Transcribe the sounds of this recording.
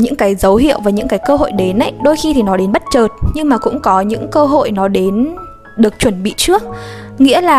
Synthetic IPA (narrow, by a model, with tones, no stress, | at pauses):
ɲɨ̰˧˥ŋkaː˨˦jzə˨˦wɦḭ˧˨əwvaː˨˩ɲɨ̰˧˥ŋkaː˨˦jkəː˧ɦo̰˧˨jɗe˨˦nʔa̰˧˨jɗo˧jxi˧t̪ʰi˨˩nɔ˨˦ɗe˨˦nɓt̚t͡ɕəː˨˩t̚ɲɨ˧ŋmaː˨˩kʊ̰˧˥ŋ͡mkɔ˨˦ɲɨ̰˧˥ŋkəː˧ɦo̰˧˨jnɔ˨˦ɗe˨˦n | ɗɨ˨˩ək̚t͡ɕwə˧˩nɓḭ˧˨t͡ɕɨ˦˥ək̚ŋḭ˧˥əlaː˨˩